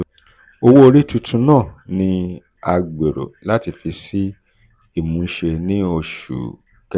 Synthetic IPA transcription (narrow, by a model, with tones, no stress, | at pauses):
o˧wo˦o˧ɾi˦tu˧tʰũ˧˦nãː˦˨nĩ˧ | a˧ɡ͡be˨ɾo̰˨la˦ti˧fi˧si˦ | i˦˨mũ˨˦ʃe˧nĩ˦o˧ʃṵ˨ | kɛ˧